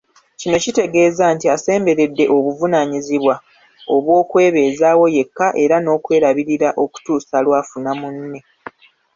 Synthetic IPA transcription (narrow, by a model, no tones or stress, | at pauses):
cino̞cite̞ɡe̞ːzaːntiase̞ːmbe̞ɾe̞dːe̞ʔo̞βuvunaɲiziβwa | o̞βwo̞ːkwe̞ːβe̞ːzaːwo̞je̞kːaʔe̞ɾano̞ːkwe̞ːɾaβiɾiɾaʔo̞ku̥tuːsalwaːfunamunːe̞